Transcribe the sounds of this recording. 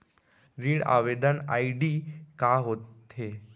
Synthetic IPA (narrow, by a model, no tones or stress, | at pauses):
ɾiːɽa̰ʋed̪əna̰iɖiːkaɦot̪e